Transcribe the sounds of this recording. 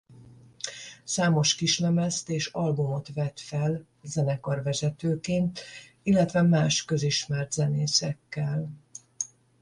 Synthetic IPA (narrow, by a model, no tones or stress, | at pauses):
saːmo̞ʃkiʃnɛmɛst̪eːʃɒlbumo̞t̪ʋɛt̪fɛl | zɛnɛkɒrvɛzɛt̪øːkeːnt̪ | ilːɛt̪ʋɛmaːʃkø̞ziʃmɛrt̪zɛneːsɛkːɛl